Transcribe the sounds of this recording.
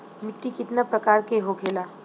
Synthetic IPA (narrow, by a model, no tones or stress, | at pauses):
mɪʈːikɪt̪napɾɐkaːɾkeɦokʰeːlaː